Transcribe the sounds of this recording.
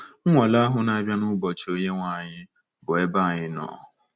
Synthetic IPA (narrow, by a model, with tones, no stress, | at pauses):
ŋ̩˦ŋʷa˨la˦ɦʊ˦na˦a˦bʲja˦nʊ˦bɔ˨t͡ʃo˦ɲe˦ŋʷa˦˨ɲɪ˦ | bʊ˨e˦ba˦˨ɲɪ˦nɔ̰ː˨